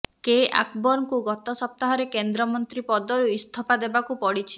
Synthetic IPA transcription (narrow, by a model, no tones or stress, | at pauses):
keʔa̰kbɔɾŋkuɡɔt̪ɔsɔp̚t̪aɦɔɾekend̪ɾɔmɔnt̪ɾipɔd̪ɔɾuist̪ʰɔpad̪ebakupɔɽit͡ʃʰi̥